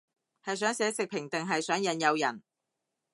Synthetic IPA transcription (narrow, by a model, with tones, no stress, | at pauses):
hɐ˨jsœː˨˥ŋsɛː˨˥sɪ˨k̚pʰɪ˨˩ŋt̪ɪ˨ŋɦɐ˨jsœː˨˥ŋjɐ˨njɐ˨˧wjɐ̰˨˩n